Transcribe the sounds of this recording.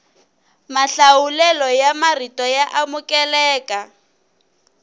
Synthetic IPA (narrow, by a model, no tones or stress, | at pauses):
maɬawulɛlɔjamaritɔjaʔamukɛlɛːkʼa